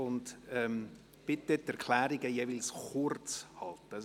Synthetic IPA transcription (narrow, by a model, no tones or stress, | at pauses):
ʊndɛm | b̥ɪt̪ːətːɛɾkʰlæːɾiɡəjeʋɪlsχʊɾt͡shɑlt̪ə